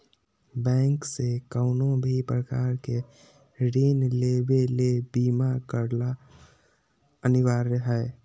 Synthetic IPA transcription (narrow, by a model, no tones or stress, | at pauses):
bɛ̃ːŋksekəʊnõbʱipɾəkaːɾke | ɾeːnleːbelebiːmakəɾla | ənɪʋaːɾəɦɛ